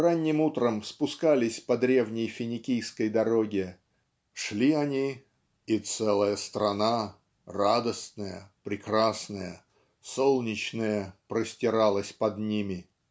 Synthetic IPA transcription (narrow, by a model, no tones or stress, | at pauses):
ranʲːɪmut̪ɾəmspʊskalʲɪsʲpɐd̪ɾʲe̞vnʲɪjfʲɪnʲɪkʲijskəjd̪ɐɾo̞ɡʲɪ | ʂlʲiɐnʲi | ɪt̪sɛlˠəjəst̪ɾɐna | rad̪əsnəjə̰pɾʲɪkɾasnəjə | so̞lˠnʲɪt͡ɕnəjəpɾəsʲtʲɪɾalˠəsʲpɐd̪nʲimʲɪ